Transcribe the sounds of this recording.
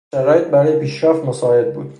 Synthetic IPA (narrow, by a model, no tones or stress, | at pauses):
æɾɒːjet̪̚ʰbæɾɒːjepʰiːʃɾæft̪mosɒːe̞d̪̚bṵːd̪